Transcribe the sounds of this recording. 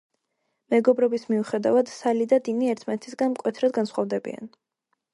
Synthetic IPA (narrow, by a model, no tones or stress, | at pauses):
mɛɡɔbɾɔbismiuχɛd̪avad̪̥salid̪ad̪iniɛɾt̪ʰmanɛt̪ʰisɡanmkʼwɛt̪ʰɾad̪̚ɡansχɔvd̪ɛbḭa̰n